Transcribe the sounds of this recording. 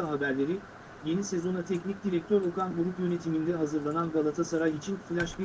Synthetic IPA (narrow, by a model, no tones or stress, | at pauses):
aɦabæɾlʲe̞ɾi | je̞nise̞zo̞nat̪ʰɛcnic̚d̪iɾɛk̚t̪ʰøɾokʰanɡuɾupjø̞ne̞t̪ʰimind̪ɛɦazɯɾlˠananbalˠat̪ʰasaɾajit͡ʃʰinfilʲaʃbi